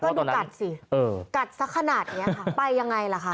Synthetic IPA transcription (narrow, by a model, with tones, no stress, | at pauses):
ɔː˥˩duː˧˩ka˨˩t̪̚si˨˩ʔɤː˧ka˨˩t̪̚sa˦˥kʰːa˧naː˨˩t̪̚ni˦˥ɐkʰa˥˩pa˧jːa˧ŋːa˧jla˨˩kʰa˦˥˩